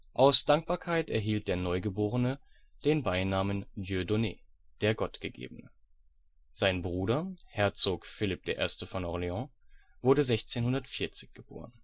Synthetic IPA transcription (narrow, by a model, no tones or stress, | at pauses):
ʔaʊsd̥aŋk̚b̥aːɐkʰaɪtɛɐɦiːlt̚d̥eːɐnɔʏɡəboːʁənə | d̥eːnbaɪnaːməndjødonḛː | d̥eːɐɡɔtɡ̥əɡḛːbənə | z̥aɪnbʁuːɾɐhɛɐt͡soːkfɪlɪp̚d̥eːɐʔḛːɐstəfɔnʔɔʁleɑ̃v̥ʊɐɾəzɛçt͡seːnhʊndɐtfiɐt͡sɪ̥çɡ̥əb̥o̰ːʁ̞ən